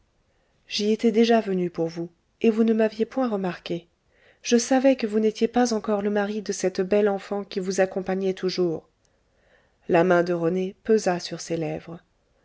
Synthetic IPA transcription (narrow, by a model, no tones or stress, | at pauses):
ʒiet̪ɛd̪eʒavənypuʁvu | evunəmavjepwɛ̃ʁəmaʁke | ʒ̥əsavɛkəvunet̪jepazɑ̃kɔʁləmaʁid̪əsɛt̪bɛlɑ̃fɑ̃kʲivuzakɔ̃paɲɛt̪ʰuʒuːʁ | lamɛ̃d̪əʁənepøzasyʁselɛvʁə